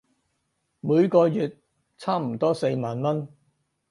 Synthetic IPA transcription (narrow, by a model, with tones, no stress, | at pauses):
muː˨˧jkɔː˧jyː˨t̚ | t͡sʰaː˥m̩˨˩t̪ɔː˥se˧jmaː˨nmɐ˥n